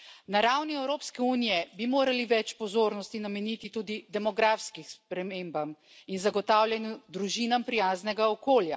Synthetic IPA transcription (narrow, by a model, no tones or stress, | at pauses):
naɾawniɛwɾoːpskɛuːnijɛbimoːɾaliʋɛt͡ʃpɔzoːɾnɔst̪inamɛnit̪it̪uːd̪id̪ɛmɔɡɾaːfskixspɾɛmembam | inzaɡɔt̪aːwljɛnjud̪ɾuʒiːnampɾijaːznɛɡaɔkoːlja̰